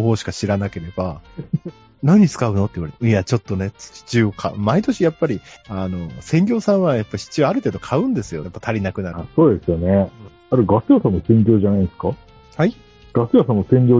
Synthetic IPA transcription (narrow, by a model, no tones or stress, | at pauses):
oɦo̞ːɕi̥kaɕiɾanake̞ɾe̞ba | naɲ̟it͡sɨ̥kaɯ̟no̞t̪ːeiβaɾet̪jat͡ɕo̞t̪ːo̞ne̞ɕi̥t͡ɕiokʰaɯmait̪o̞ɕijapːaɾʲiano̞sẽ̞ŋɡʲo̞ːsãɰ̃βajapːaɕi̥t͡ɕiaɾɯ̟t̪e̞ːd̪o̞kʰaɯ̟̃nd̪e̞sɨjojapːat̪ʰaɾʲinakɯ̟naasoːd̪e̞sɨjone | aɾɯɡasɨjosãmːosẽ̞ŋɡʲo̞ːʑanaĩneska | hai | ɡ̥asɨjasãmːosẽ̞ŋɡʲoː